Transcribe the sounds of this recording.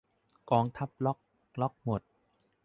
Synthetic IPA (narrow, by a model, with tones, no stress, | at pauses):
kɔː˨˧˦ŋt̪ʰa˦˥p̚lɔ˦˥k̚ | lɔ˦˥k̚mo˨˩t̪̚